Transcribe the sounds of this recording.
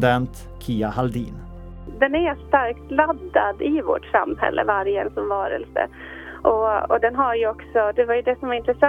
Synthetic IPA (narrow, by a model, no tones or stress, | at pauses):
d̪ɛnt̪ | kʰiːahald̪ḭːn | d̪ɛnæɾʂt̪aɾkt̪lad̪ːad̪ɪvo̰ʈsa̰mːhɛ̰lːʔə̰vaɾjɛnsɔmvɑːɾə̰lsə̰ | ʔɔɔd̪ɛnɦaɾjɵɔksɔd̪ɛvaɾjɵd̪ɛsɔmvaɾɪnt̪ɾɛsa